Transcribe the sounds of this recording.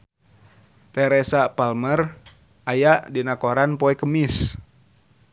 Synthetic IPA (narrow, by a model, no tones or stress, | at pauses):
t̪ɛɾɛsapalmər | ʔajaʔdinakoɾanpoɛkəmis